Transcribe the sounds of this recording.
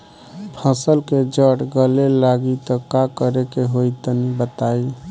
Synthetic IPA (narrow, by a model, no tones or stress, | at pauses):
pʰəsəlked͡ʒəɽɡəlelaɡit̪ɔkakəɾekeɦoit̪ənibət̪ai